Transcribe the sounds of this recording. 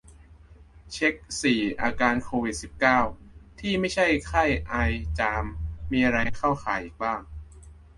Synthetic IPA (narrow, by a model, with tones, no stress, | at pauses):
t͡ɕʰe˦˥k̚siː˨˩ʔaː˧kaː˧nkʰoː˧wi˨˩t̪̚si˨˩p̚kaː˥˩wt̪ʰiː˥˩ma˥˩jt͡ɕʰa˥˩jkʰa˥˩jʔa˧jt͡ɕaː˧mːiː˧ʔa˧ɾa˧jkʰa˥˩wxʰaː˩˦jʔiː˨˩k̚baː˥˩ŋ